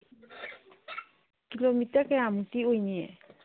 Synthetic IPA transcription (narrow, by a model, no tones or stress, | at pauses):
kilomitakɛamutiojniɛ̰